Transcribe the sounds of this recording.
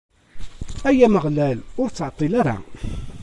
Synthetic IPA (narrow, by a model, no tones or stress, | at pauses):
æjæməʁlælʊɾt͡sːʕt̪ˤːilaɾa̰